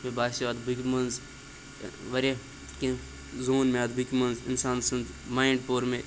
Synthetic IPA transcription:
mẽbaːsɐd̪bʱikmɐnz | ʋɐɾe | kẽ | zoːnmẽɐd̪bikmɐnzɪ̰nsaːnsɐnd̪maːiɳɖpoːɾmẽ

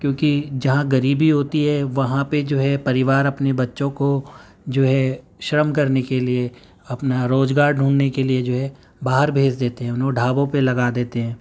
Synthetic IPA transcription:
kjõːkid͡ʒɐɦãɡɐɾiːbʱiɦoːt̪iɦɛʋɐɦãped͡ʒoːɦɛpɐɾɪʋaːɾɐpnebɐtːʃõko | d͡ʒoːɦɛ | ʃɾəmkɐɾnekelie | ɐpnaɾoːd͡ʒɡaːɾɖʱũːɳnekelied͡ʒoːɦɛ | baːɦəɾbʱeːd͡ʒd̪eːt̪eɦɛ̃ʊnõɖʱaːbõpelɐɡaːd̪eːt̪eɦɛ̃ː

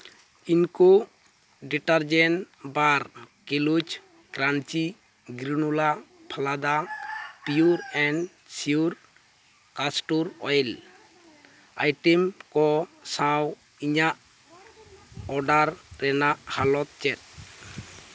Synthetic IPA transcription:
inkɔ | ɖiʈaɾd͡ʒɛn | baɾ | kilut͡ʃ | kɾant͡ʃi | ɡɾinula | pʰalad̪apiuɾɛn | siuɾ | kasʈuɾɔ̰jl | a̰jʈɛmkɔsãw | iɲaʔ | ɔɖaɾːɛnaʔhalɔt̪̚t͡ʃɛt̪̚

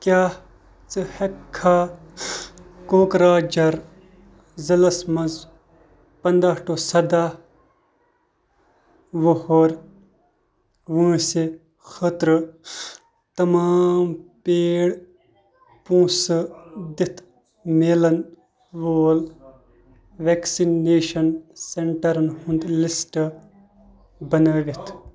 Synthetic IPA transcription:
kjaː | t͡sɨhɐkʰːaː | koːkɾaːd͡ʒɐɾ | zɐlɐsmɐz | pɐnd̪aːʈoːsɐd̪aː | ʋohoːɾ | ʋũːse | xət̪ɾɨ | t̪ɐmaːmpeːɽ | pũːsd̪it̪ʰ | melɐn | ʋoːl | ʋeːksinneːʃɐnseɳʈɐɾɐnhũnd̪lɪsʈ | bɐnəːʋit̪ʰ

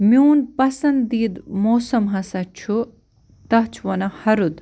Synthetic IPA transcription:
mʲuːnpɐsɐnd̪d̪iːd̪moːsɐmɦɐsɐt͡ʃʰu | t̪ɐɦt͡ʃʰʋɐnɐhɐɾud̪

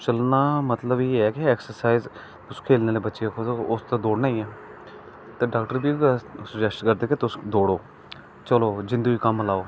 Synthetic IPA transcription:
t͡ʃəlnaːmət̪ləbiːɛːkiɛːksəɾsaːiz | ʊskʰeːlneːleːbətːʃeekʰod̪oʊst̪ad̪oːɽnaːĩːɛː | t̪eːɖaːkʈəɾbiːsʊd͡ʒɛsʈkəɾd̪eːket̪ʊsd̪oːɽoː | t͡ʃəloːd͡ʒɪ̃nd̪uːiːkəməlaːoː

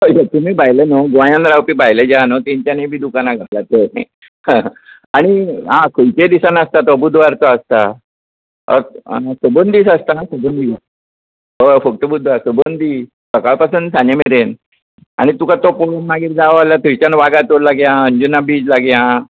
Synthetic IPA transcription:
əjat̪um̤iːbʱajlənoɡʋãjãnɾawpiːbʱajled͡ʑanɔt̪eɲt͡ɕjanebʱiːd̪ukanaɡʱalat̪enḛ | aɽ̃iɦãkʰəjt̪ed̪isanast̪at̪əbud̪ʱʋaɾt͡sɔəst̪a | ə̰səbənd̪iːsast̪asəbənd̪ʱi | əfək̚ʈ̪əbud̪ʱʋaɾsəbənd̪i | səkaɭpasunsanemeɾen | a̰ɽ̃it̪ukat̪opoɭənmaɡiːɾd͡z̪aʋaljat̪ʰəjt͡ɕanʋaɡat̪oɾlaɡjãəɲd͡ʑunːabiːd͡zlaɡjã

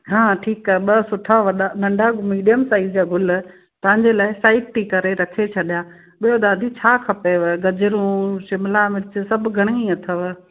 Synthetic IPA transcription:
ɦãːʈʰiːkaɦɓɐsʊʈʰaʋɐɗanɐ̃ɳɖʱamiːɖijəmsaːɪzd͡ʑaːɡʱʊl | t̪ɐ̃ʋɪ̃ɲd͡ʑelaːɪsaːɪʈ̚ʈikɐɾeɾɐkʰet͡ɕʰɐɗjaː | ɓijod̪aːd̪ʱit͡ɕʰaːkʰɐpeʋɡɐd͡ʑɪɾũːʃɪmlamɪɾɪt͡ɕsɐbʱɡʱɐɽ̃ĩɐt̪ʰəʋ

